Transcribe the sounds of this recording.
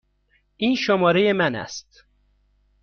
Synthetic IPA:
ʔiːnʃomɒːɾe̞jemænæ̰st̪

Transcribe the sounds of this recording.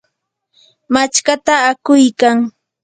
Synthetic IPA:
mat͡ʃkat̪aːkʊjkaŋ

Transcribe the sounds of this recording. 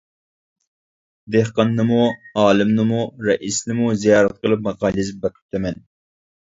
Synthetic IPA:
d̪ehqɑnːɨmuɑːlˠɨmnɨmuɾɛʔisnɨmuzijɑːɾɛt̪̚qəlˠɨp̬mɑqɑːlizp̚bækʰɪ̥p̚t̪ʰɛmɛn

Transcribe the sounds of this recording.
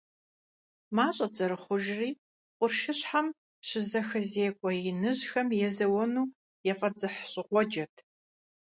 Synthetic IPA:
maːɕʼɐd͡zʼɐɾɨχʷʊʒriː | qʷʊrʃɨɕħam | ɕɪzɐxɐzeːkʷʼɔjɪnɨʑxɐmjɛzɐwɔnuː | jɛfʼɐd͡zɨħɕʼɪʁʷɔd͡ʒɐtʰ

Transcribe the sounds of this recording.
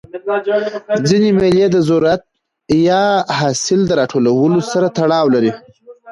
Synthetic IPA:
d͡zinemeljed̪əzoɾat̪̚ | jɑɦɑsɪld̪əɾɑʈʰolawəlosaɾat̪aɽɑwlaɾi

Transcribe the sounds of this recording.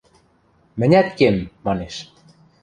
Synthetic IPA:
mɘ̆nʲæt̪kemːɑneʃ

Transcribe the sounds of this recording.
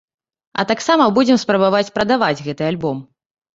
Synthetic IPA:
ɐ̰t̪aksamɐbud͡zʲɛmspɾɐbavat͡sʲpɾɐd̪avad͡zʲɣɛt̪ɨalʲbɔm

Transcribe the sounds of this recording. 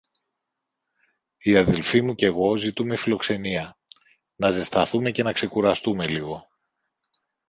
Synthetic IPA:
iɐðe̞lfimuce̞ɣo̞zit̪ume̞filo̞kse̞niɐ | nɐze̞st̪ɐθume̞ce̞nɐkse̞kuɾɐst̪ume̞liɣo̞

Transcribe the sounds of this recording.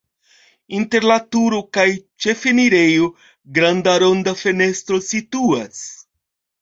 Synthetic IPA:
inte̞ɾlatuɾokajt͡ʃe̞feniɾe̞jo | ɡɾandaɾo̞ndafe̞ne̞stɾo̞situas

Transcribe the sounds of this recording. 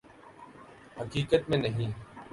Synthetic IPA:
həkiːkət̪mẽːnəɦĩː

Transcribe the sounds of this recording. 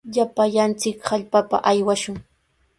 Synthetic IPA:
ʎapaʎant͡sɪkhaʎpapa̰ʔajwaʃʊŋ

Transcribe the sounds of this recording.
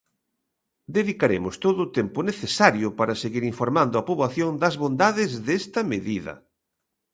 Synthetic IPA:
d̪eðikaɾemʊst̪oðʊːt̪empʊneθesaɾjʊpaɾɐseɣiɾiɱfoɾmãnd̪ʊɐpoβlaθjond̪ɐzβond̪aðɪzðest̪ɐmeðiðɐ̰

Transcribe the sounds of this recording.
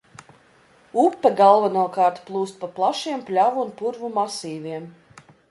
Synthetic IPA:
upːɛɡalˠvanuɔkɑːɾt̪plˠuːst̪̚paplˠaʃiɛmpʲlʲavuunpuɾvumasiːvʲiɛm

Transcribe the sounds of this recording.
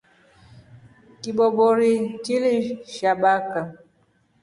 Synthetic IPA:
kiɓɔɓɔɾitiliʃaɓaka

